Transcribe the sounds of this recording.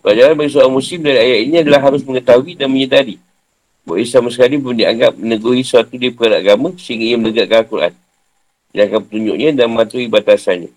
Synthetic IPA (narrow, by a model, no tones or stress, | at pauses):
plad͡ʒaɾanbaɡis̬uaɾamusɪmdaɾiajaʔ̪iɲĩadalaɦaɾʊsməŋət̪aɦuidanməɲədadi | ba̰ʔisamas̬əkalibundia̰ŋɡap̚mənəɡuɦisəat̪udipəkadaʔaɡamasəɦiŋɡaijəmləɡakalakuɾa̰n | diaŋkapət̪uɲd͡ʒʊ̰ʔɲə̃danməmat̪uibat̪asanɲa̰